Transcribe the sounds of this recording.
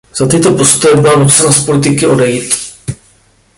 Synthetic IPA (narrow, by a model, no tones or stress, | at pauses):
z̥at̪ɪt̪o̞po̞st̪ojɛbɪlanusɛnaspo̞lɪt̪ɪkɪʔo̞dɛjiːt̪